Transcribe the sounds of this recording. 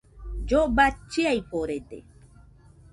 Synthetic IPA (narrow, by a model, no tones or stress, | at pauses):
d͡ʒobat͡ʃːiajpoɾedḛ